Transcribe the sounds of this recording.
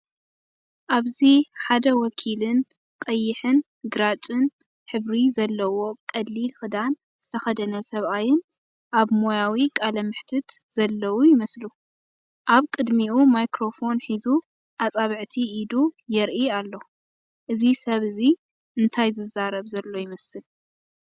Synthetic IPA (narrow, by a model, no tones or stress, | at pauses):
ʔaβziħad̪ɐwɔkʰilɨn | t̪ʼɐjːɪħɨn | ɡɨɾat͡ʃʼɨn | ħɨβɾizɐlːɐwo̞kʼɐd̪lilxɨd̪an | z̥ɨt̪ʰɐxɐd̪ɐnɐsɐβʔajɪn | ʔaβmo̞jawikʼalɐmɨħt̪ʰɨt̪z̥ɐlːɐwujɪmɐslu | ʔaβkʼɨd̪miʔumajkɾo̞fo̞nħizu | ʔat͡sʼaβɨʕt̪ʰiʔːd̪ujɛɾʔialːo̞ | ʔɨzisɐβɨzi | ɨnt̪ʰajzɨzaɾɐβzɐlːo̞jɪmɐsɨl